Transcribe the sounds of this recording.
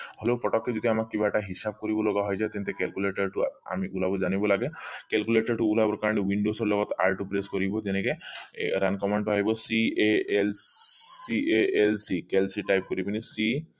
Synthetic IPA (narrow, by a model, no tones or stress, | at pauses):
hɔlepɾɔʈɔkːed͡ʒɔd̪ʱiamakːibaʈaɦisab̚kɔɾibɔlɔɡaɦɔjzajt̪ɛnt̪ekɛlkuleʈaɾʈua̰miʔulabɔd͡ʒanibɔlaɡekɛlkuleʈɔɾʈuulabɔɾkaɹɔɽ̃ewiɳɖosɔɾlɔɡɔt̪a̰ɹʈupɾeskɔɾibɔt̪enekeɾankɔmaɳʈpaɦjbɔsieelsieelsikelsiʈajp̚kɔɾibinisi